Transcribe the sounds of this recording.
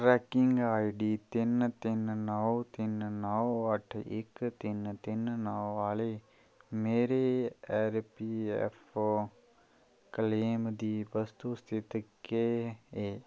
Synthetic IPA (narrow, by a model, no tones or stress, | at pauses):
ɾɛːkɪŋɡaːiɖiːt̪ɪnt̪ɪnnəwt̪ɪnnɔwəʈʰɪ̰kt̪ɪnt̪ɪnnəwaːle | meːɾeɛːɾpiɛ̰fo | kəleːmd̪iːbəst̪ust̪ʰɪt̪keeː